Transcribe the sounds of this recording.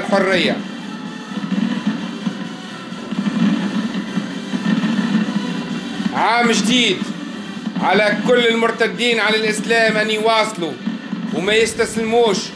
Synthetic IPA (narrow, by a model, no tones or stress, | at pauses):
lħʊrːɪjːa̰ | ʕaːmʒd̪iːd̪ | ʕalakʊlːɪlmʊɾt̪ad̪ːiːnʕalalʔɪslaːmʔɪnːiwɑːsˤluwmajɪst̪aslɪmuːʃ